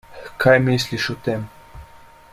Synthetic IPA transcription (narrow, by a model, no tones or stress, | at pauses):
kʰajmeisliʃut̪em